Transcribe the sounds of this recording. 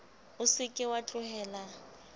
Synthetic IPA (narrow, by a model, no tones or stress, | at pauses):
ʊsɪkʼɪwat͡ɬʼʊhɛːla